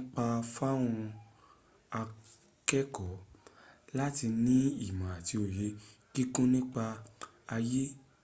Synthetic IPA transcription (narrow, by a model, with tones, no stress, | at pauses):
k͡pa˧fa˦w̃ɔ̃˧ | a˧ | kɛ˦kɔ˨˦ | la˦ti˧nĩ˦i˦˨mã˨a˨ti˧o˨je˨˧ki˦kũ˦nĩ˦k͡pa˧ | a˧je˦